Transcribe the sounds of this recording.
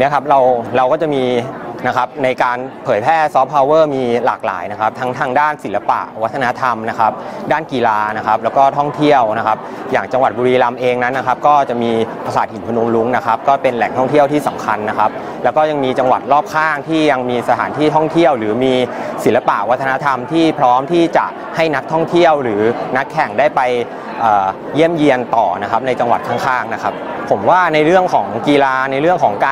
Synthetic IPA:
ni˦˥kʰa˦˥p̚ɾa˧wɾa˧wkɔː˥˩t͡ɕa˨˩miː˧na˦˥kʰa˦˥p̚na˧jkaː˧npʰɤː˩˦jpʰɛː˥˩sɔː˦˥p̚ʰːa˧wɤː˥˩miː˧la̰ː˨˩k̚la̰ː˩˦jna˦˥kʰa˦˥p̚t̪ʰa˦˥ŋt̪ʰaː˧ŋdaː˥˩nsi˩˦la˧pa̰˨˩ʔwa˦˥t̪ʰːa˧na˦˥t̪ʰa˧mna˦˥kʰa˦˥p̚daː˥˩nkiː˧laː˧na˦˥kʰa˦˥p̚lɛː˦˥wkɔː˥˩t̪ʰɔ˥˩ŋt̪ʰi˥˩əwna˦˥kʰa˦˥p̚ | jaː˨˩ŋt͡ɕa˧ŋwa˨˩t̪̚buː˧ɾiː˧la˧mʔeː˧ŋna˦˥nːa˦˥kʰa˦˥p̚kɔː˥˩t͡ɕa˨˩ʔmiː˧pʰa˧saː˨˩t̪̚hi˨˩˦npʰa˧nu˧ŋlu˦˥ŋna˦˥kʰa˦˥p̚kɔː˥˩pe˧nlɛ˨˩ŋt̪ʰɔ˥˩ŋt̪ʰi˥˩əwt̪ʰiː˥˩sa˩˦mkʰa˧nːa˦˥kʰa˦˥p̚ | lɛ˦˥wkɔː˥˩ja˧ŋmiː˧t͡ɕa˧ŋwa̰˨˩t̪̚ɾɔː˥˩p̚kʰaː˥˩ŋt̪ʰiː˥˩ja˧ŋmiː˧sa˧t̪ʰaː˩˦nt̪ʰiː˥˩t̪ʰɔ˥˩ŋt̪ʰi˥˩əwɾɯː˩˦miː˧si˨˩˦lːa˧pa̰˨˩ʔwa˦t̪ʰːa˧na˦˥t̪ʰa˧mt̪ʰiː˥˩pʰɾɔː˦˥mt̪ʰiː˥˩t͡ɕa˨˩ʔ | ha˥˩jna˦˥k̚t̪ʰɔ˥˩ŋt̪ʰi˥˩əwɾɯː˩˦na˦˥kʰːɛ˨˩ŋdaː˥˩jpa˧j | ʔɤː˨˩ | ji˥˩əmji˧ənt̪ɔː˨˩na˦˥kʰa˦˥p̚na˧jt͡ɕa˧ŋwa˨˩t̪̚kʰaː˥˩ŋkʰaː˥˩ŋna˦˥kʰa˦˥p̚ | pʰːo˩˦mwaː˥˩na˧jɾɯ˥˩əŋkʰɔː˩˦ŋkiː˧laː˧na˧jɾɯ˥˩əŋkʰɔː˩˦ŋkaː˧

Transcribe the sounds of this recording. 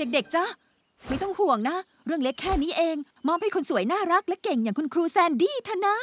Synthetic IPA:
de˨˩k̚de˨˩k̚t͡ɕa˧˥˩ | ma˥˩jt̪ɔ˥˩ŋhu˨˩əŋna˦˥ | ɾɯ˥˩əŋle˦˥kʰːɛː˥˩niː˦˥ʔeː˧ŋ | mɔː˦˥mha˥˩jkʰo˧nsu˨˩˦əjnaː˥˩ɾa˦˥k̚lɛ˦˥ke˨˩ŋjaː˨˩ko˧nkʰɾuː˧sɛː˧ndiː˧t̪ʰa˥˩na˦˥

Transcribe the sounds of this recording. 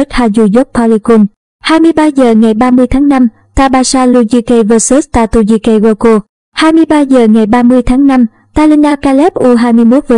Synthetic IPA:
t̚haː˧zu˧˩zɔ˦˥p̚pʰɔ˧li˧ku˧˩n | haː˧jmɨ˧əjɓaː˧zəː˨˩ŋa˨˩jɓaː˧mɨ˧əjt̪ʰaː˨˦ŋna˧m | t̪aː˧ɓaː˧saː˧lu˧zi˧kə˧vəː˧su˦˥st̪a̰ː˧˨jt̪u˧˩ɲi˧kə˧ɣaː˧ko˧ | haː˧jmɨ˧əjɓaː˧zəː˨˩ŋa˨˩jɓaː˧mɨ˧əjt̪ʰaː˨˦ŋna˧m | t̪aː˧li˧nʔaː˧kaː˧lɛ˦˥p̚ʔu˧ɦaː˧jmɨ˧əjmo˦˥t̚vəː˨˦

